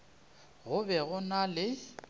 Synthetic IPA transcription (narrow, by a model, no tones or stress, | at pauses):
ɣʊbɛɣʊnalɪ